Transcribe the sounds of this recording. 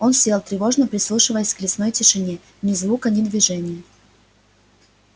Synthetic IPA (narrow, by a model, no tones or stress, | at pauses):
o̞nsʲelˠt̪ɾʲɪvo̞ʐnəpɾʲɪslˠuʂɨvəjəsʲklʲɪsnojtʲɪʂɨnʲe | nʲɪzvˠukɐnʲɪd̪vʲɪʐɛnʲɪjə